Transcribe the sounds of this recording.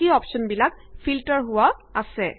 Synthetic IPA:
iɔpsɔnbilakpʰiltɔɹɦʊwaasɛ

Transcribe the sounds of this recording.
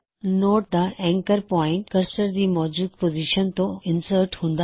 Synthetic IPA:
noːʈ̚d̪aːʔɛ̃ːŋkəɾpɔ̃ːɪ̃ɳʈkɐɾsəɾd͡ʑiːmɔːd͡ʑuːd̪poːziʃənt̪õɪnsəɾʈɦũːn̆d̪a

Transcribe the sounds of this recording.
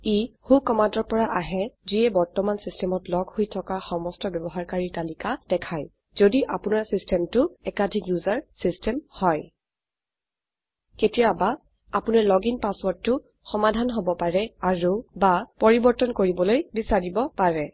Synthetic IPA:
ihukɔmandɔɹpɔɹaʔaɦɛziɛbɔɹtɔmansistɛmɔtlɔɡʱhojtʰɔkaxɔmɔstɔbjɔbɔɦaɹkaɹitalikad̥ɛkʰaj | z̥odiʔapʊnaɹsistɛmtʊɛkadʱikjuzaɹsistɛmhɔj | ketijaba | apunaɹlɔɡinpaswɔɹdːʊ | xɔmadʱanɦobɔpaɹɛaɹubapɔɹibɔɹtɔnkoɹibɔlojbisaɹibɔpaɹɛ

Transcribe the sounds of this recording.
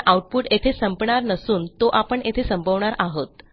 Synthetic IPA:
ʔauʈ̚puʈet̪ʰesəmpɳaɾnəsuːnt̪oʔapəɳet̪ʰesəmbʱəʋɳaɾʔaɦət̪

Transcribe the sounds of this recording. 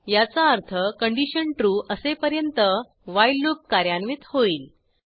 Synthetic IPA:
jat͡saəɾt̪ʰəkəɳɖiɕənʈɾuːʔəsepəɾjənt̪ə | ʋajlːuk̚kaɾjanʋiːt̪hoiːl

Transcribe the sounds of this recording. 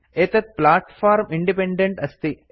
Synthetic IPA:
et̪ɐt̪̚plaːʈfaːɾmiɳɖipeɳɖeɳʈɐst̪i

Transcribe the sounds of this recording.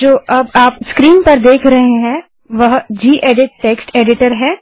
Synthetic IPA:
d͡ʒoːʔɐbaːpskɾiːnpɐɾd̪eːkʰɾɐɦeɦɛ̃ | ʋɐɦd͡ʒiːʔeːɖɪʈːeːksʈeːɖɪʈəɾɦɛ̃ː

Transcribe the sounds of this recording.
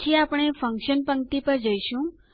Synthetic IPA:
tʰiapəɽ̃efʰə̃ŋkʃənpəŋk̚t̪ipəɾd͡ʒəjʃũ

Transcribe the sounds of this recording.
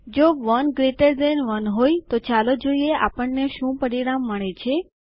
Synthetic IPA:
d͡ʒoʋənɡɾeʈəɾdenʋənɦojt̪ot͡ʃalod͡ʒoieʔapəɳːeʃũpəɾiɽamːəɳ̃et͡ʃʰe

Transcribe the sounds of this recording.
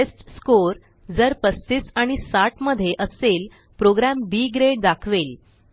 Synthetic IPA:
esʈskoɾ | d͡zəɾpəst̪isaɽ̃isaʈməd̪ʱːjeʔəsel | pɾoɡɾambiːɡɾeɽ̚d̪akʰʋel

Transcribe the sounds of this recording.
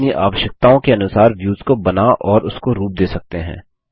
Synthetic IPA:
niʔa̰ːʋəʃjək̚t̪aõkeɐnʊsaːɾʋjuːzkobɐnaʔɔːɾʊskoɾuːp̚d̪eːsɐk̚t̪eɦɛ̰̃ː

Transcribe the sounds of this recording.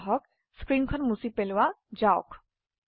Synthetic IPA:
ɦɔk̚ | skɹinkʰɔnmusipelʊwazaʊk

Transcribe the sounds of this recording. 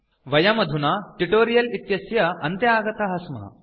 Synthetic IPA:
ʋɐjamɐd̪ʱunaʈiʈoɾijɐlit̪jɐsjɐɐnt̪jɐaɡɐt̪aɦɐsma̰

